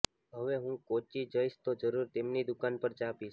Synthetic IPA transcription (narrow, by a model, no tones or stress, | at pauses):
ɦəʋeɦũkot͡ʃid͡ʒəiʃt̪od͡ʒəɾuɾt̪emnid̪ʊkanpəɾt͡ʃapiʃ